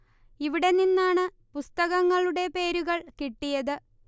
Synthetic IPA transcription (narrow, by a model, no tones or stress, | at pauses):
iʋiɽe̞ninːaːɳɨ | pust̪ɐɣɐŋːɐɭuɽe̞pe̞ːɾuɣɐɭkiʈːijɐðɨ